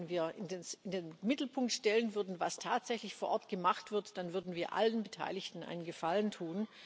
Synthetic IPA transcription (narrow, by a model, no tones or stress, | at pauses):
nviːɐɪndenɪndeːnmɪtl̩pʰʊŋk̚tʃtɛlənvʏɐdn̩vastʰaːtz̥ɛçlɪçfoːɐʔɔɐtɡ̥əmaχtv̥ɪɐtd̥anvʏɐdn̩viːɐʔa̰lənbətʰa̰ɪlɪçtn̩ʔa̰ɪnənɡəfaləntʰuːn